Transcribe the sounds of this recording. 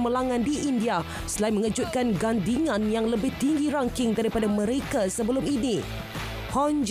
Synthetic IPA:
məlaŋãndiʔindia | səlaimə̃ŋəd͡ʒʊt̪̚kanɡandiŋãnjaŋləbɪht̪iŋɡiɾaŋkɪŋdaɾipadamə̃ɾekasəbəlʊmini | hɔnd͡ʒ

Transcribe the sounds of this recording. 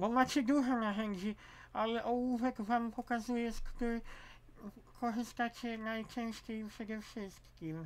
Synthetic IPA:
bɔmat͡ɕɛd̪uʐɔnaʒɛɲd͡ʑi | alɛʔɔwuvɛkvampɔkazujɛskt̪ɨ | kʰɔʐɨst̪at͡ɕɛnajt͡ʂɛ̃w̃ɕt͡ɕejfʂɛɡ̪ɛfʂɘstt̪kʲim

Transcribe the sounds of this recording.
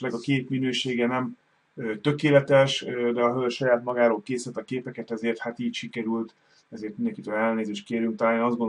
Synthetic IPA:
lɛɡɒkeːt̪minøːʃeːɡɛnɛmː | t̪ø̞keːlɛt̪ɛʃd̪ɛɒɦølʃɒjaːt̪mɒɡaːɾoːlkeːsɛt̪ːɒkeːpɛkɛt̪ɛzeːrt̪hat̪iːcʃikɛɾylt̪ | ɛzeːrt̪minɛŋkit̪øːlɛlneːzeːʃt̪̚keːɾjyŋkt̪ɒlaːliɒzd̪ɡon

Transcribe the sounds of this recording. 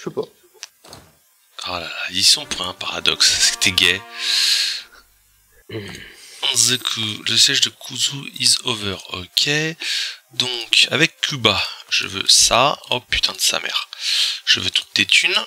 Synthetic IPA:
ʃypa | alalaisɔ̃puʁɛ̃paʁad̪ɔkssi̥t̪ʰɛɡʲɛ | ɑ̃zəkʰuləsjɛʒd̪əkʰuzuizɔvœʁɔ̰kʲʰɛ | d̪ɔ̃ka̰vɛkʰːybaʒ̥ə̰vø̰saɔpy̥t̪ʰɛ̃d̪əsa̰mɛ̰ʁʒ̥əvøt̪ʰu̥t̪̚et̪ʰyn

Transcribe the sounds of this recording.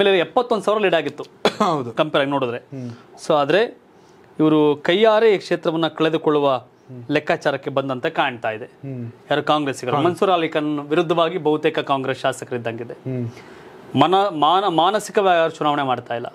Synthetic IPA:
meleiɛpːɐt̪ːond̪usaːʋɾɐliːɖaːɡit̪ːuɐwd̪ukɐmpɛːɾaːɡinoːɽud̪ɐɾesoːaːd̪ɐɾe̞ | iʋɐɾukɐjːaːɾeikʂeːt̪ɾɐʋɐnːɐkɐɭe̞d̪ukɔɭːuʋɐ | lɛkːaːt͡ʃaːɾɐkːebɐnd̪ɐnt̪ɐkaːjɐɳt̪aːjid̪e̞aːɾokaːŋɡɾeːsiɡɐɾumɐnsuːɾaːlikɐnɐuʋiɾud̪ʱːɐʋaːɡibɐɦut̪eːkɐkaːŋɡɾesʃaːsɐkɐɾid̪ːaŋɡid̪e | mɐnɐmaːmaːnɐsikɐʋaːɡaːɾut͡ʃunaːʋɐɳemaːɖt̪aːjilːɐ̰

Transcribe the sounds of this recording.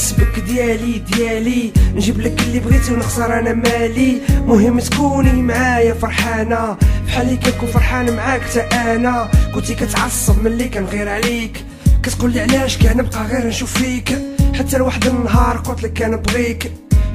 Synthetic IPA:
sbəkd̪jælid̪jælinʒibləkəlːibɣit̪iwnəxsɑɾˤʔænæmælimʊhəmːt̪kunlimʕajæfɑɾˤħɑnæfħalːikænkunfɑɾˤħɑnmʕakt̪æʔænækʊnt̪ikæt̪ʕɑsˤːəbmənlikænɣiɾʕlik | kæt̪qulːiʕlæʃkænəb̚qɑɣiɾnʃufːikħat̪ːælwaħəd̪ənənːɦɑɾˤqot̪ləkːænəbɣik

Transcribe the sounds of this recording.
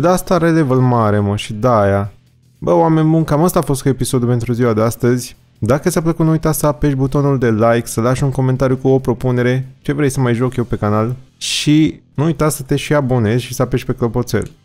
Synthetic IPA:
d̪ast̪aɾelevəlmaɾe̞məʃid̪aja | bəwame̞nʲbunkaməst̪aːfo̞st̪kuepiso̞d̪jupe̞nt̪ɾuziwad̪e̞ast̪əzʲ | d̪akəsʲapləkut̪nuujt̪at̪səape̞ʃbut̪o̞nuld̪e̞lajksəlaʃuŋko̞me̞nt̪aɾijukuopɾo̞pune̞ɾe̞t͡ʃe̞vɾe̞jsəmajʒo̞kje̞wpe̞kanalʃinuujt̪at̪ssət̪eʃiabo̞ne̞zʲʃisəape̞ʃpe̞klopo̞t̪sḛl

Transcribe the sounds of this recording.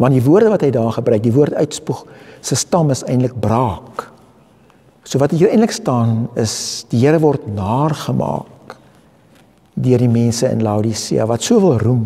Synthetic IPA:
vɐntdivuərdəvɐtɦəjdɑːrχəbrœɥk̚divuərtœɥtspuχsəstɐməsɛjntlək̚brɑːk | suəvɐtiɛjntləkstɑːnəsd̥iɦiəɾəvɔrtnɑːrχəmɑ̰ːk | døərdimɛnsəə̰nlɐwdisḭɐ̰vɐtsuəfəlˠrum

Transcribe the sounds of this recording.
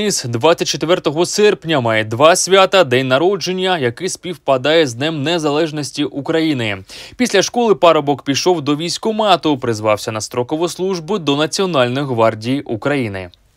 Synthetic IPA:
ɪsd̪ʋat͡sʲːɐt̚ʲt͡ʃet̪ʋɛrt̪ɔɦɔsɛrpnʲɐmɑjɛd̪ʋɑsʲʋʲat̪ɐd̪ɛnʲnɐɾɔd͡ʒe̞nʲːɐjɐkɪsʲpʲiwpɐd̪ɑjɛznɛmnezɐlˠɛʒnɔsʲtʲiʔukɾɐjinɪpʲisʲlʲɐʃkɔlˠɪpɑɾɔbɔkpʲiʃɔwd̪ɔʋʲijsʲkʊmɑt̪ɔpɾɪzʋɑwsʲɐnɐst̪ɾɔkɔʋɔslˠuʒbʊd̪ɔnɐt͡sʲiɔnɑlʲnʊjɦʋɑrdʲijukɾɐjinɪ̰

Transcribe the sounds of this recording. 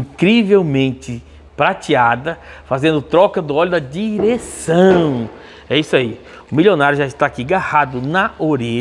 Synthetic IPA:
ĩkɾivewmẽnt͡ʃɪ | pɾat͡ʃiad̪ɐfazẽnd̪ʊt̪ɾɔkɐd̪ʊɔlʊd̪ɐd͡ʒiɾesɐ̃w̃ | ɛisai | ʊmiljonaɾjʊʒaɪst̪aːkiɡahad̪ʊnɐoɾe

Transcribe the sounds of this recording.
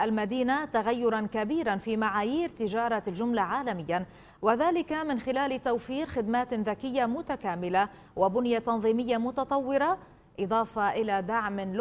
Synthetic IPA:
ʔalmad̪iːnat̪aɣajːʊɾˤɑnkabiːɾanfiːmaʕaːjiːɾt̪ɪʒɑːɾˤɑlʒʊmlaʕaːlamɪjːan | waðaːlɪkamɪnxɪlaːlt̪awfiːɾxɪd̪maːt̪ðakɪjːamʊt̪akaːmɪla | wabʊnjat̪ɑnðˤiːmɪjːamʊt̪ɑt̪ˤɑwːɪɾɑ | ʔɨd̪ˤɑːfɑʔɪlad̪aʕmɪl

